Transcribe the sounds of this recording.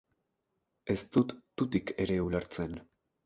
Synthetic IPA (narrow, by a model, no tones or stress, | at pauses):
e̞st̪ut̪ːut̪ike̞ɾe̞ulaɾt͡se̞n